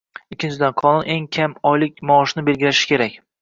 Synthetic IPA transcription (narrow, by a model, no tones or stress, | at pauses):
ɪkʲʰːɪnt͡ʃʰɪd̪anqʰɒnʊne̞ŋkʲʰamɒjlɪk̚ʲmɒɒʃnɪbe̞lɡʲɪlaʃɪ̥kʲʰe̞ɾakʲ